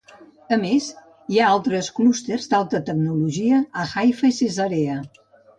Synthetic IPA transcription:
əmez | iaalˠt̪ɾəsklust̪erzd̪alˠt̪ət̪əɡnuluʒiəːxajfəisezaɾeə

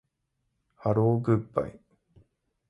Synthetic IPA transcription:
haɾoːɡɯpːa̰j

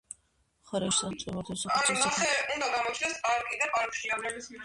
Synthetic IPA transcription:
χɔɾɛʃsasʼimɔɾt̪ʰɛsɔanasɛund̪aɡamɔt͡ʃʰnɛspʼaɾkʼid̪apʼaɾkʼʃiɾɔmɛlisʰmi

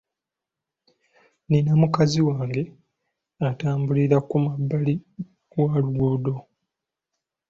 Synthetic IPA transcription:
ninamukaziwaːŋɡe̞ | ataːmbuliɾakumabːali | waluɡuːdo̞

